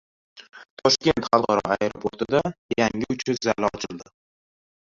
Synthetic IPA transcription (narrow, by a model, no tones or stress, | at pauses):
t̪ʰɒʃkʲe̞nt̪χɑlˠqʰɑɾɒ̰ajɾopʰoɾt̪ʰɪd̪ajaŋɪʊt͡ʃʰɪzalɒt͡ʃʰɪld̪ɪ